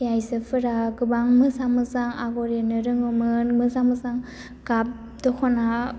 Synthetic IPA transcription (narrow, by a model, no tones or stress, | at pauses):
ajsɯpʰɯɾaɡɯbaŋmɯzamɯzaŋaɡɔɾenɯɾɯŋɯmɯnmɯzamɯzaŋ | ɡap̚ | dɔkʰɔna